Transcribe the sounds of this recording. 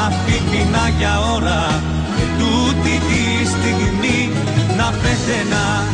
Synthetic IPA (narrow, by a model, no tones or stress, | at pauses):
ɐfitinɐʝa | o̞ɾɐ | et̪ut̪it̪i | st̪iɣmi | nɐpesenɐ